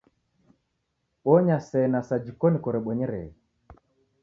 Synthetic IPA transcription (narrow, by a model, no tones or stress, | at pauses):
ɓɔɲasɛnasad͡ʒikɔnikɔɾɛɓɔɲɛɾɛ̰